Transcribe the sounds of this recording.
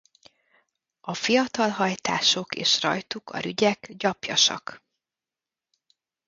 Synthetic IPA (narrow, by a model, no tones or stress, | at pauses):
ɒfijɒt̪ɒlɦɒjt̪aːʃo̞kḛːʃrɒ̰jt̪ukʰɒ̰ɾyɟɛkɟɒpjɒʃɒ̰k